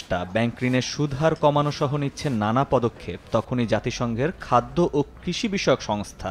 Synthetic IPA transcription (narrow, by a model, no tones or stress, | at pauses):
ʈa̰bɛŋkɾineɾʃud̪ʱaɾkɔmanoʃɔɦonitːɕʰenanapɔd̪okʰːep̚t̪ɔkʰonid͡ʑat̪iʃɔŋɡʱeɾkʰad̪ːoʔokɾiʃibiʃɔeokʃɔŋst̪ʰa̰